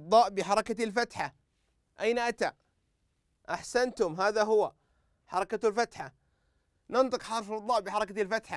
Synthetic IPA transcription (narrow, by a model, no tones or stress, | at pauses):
d̪ˤɑːʔbɪħɑɾˤɑkalfat̪ħa | ʔajnaʔat̪a | ʔaħsant̪ʊmɦaːðaɦʊwa | ħɑɾˤɑkalfat̪ħa | nɑnt̪ˤɨqħɑɾˤfɑd̪ˤɑːʔbɪħɑɾˤɑkalfat̪ħa